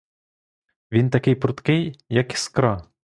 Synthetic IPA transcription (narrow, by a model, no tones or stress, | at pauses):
ʋʲint̪ɐkɪjpɾʊt̪kɪjːɐki̥skɾɑ